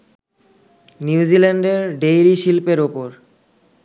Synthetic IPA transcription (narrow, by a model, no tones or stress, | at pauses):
niud͡ʑilaɳɖeɾɖejɾiʃilpeɾupoɾ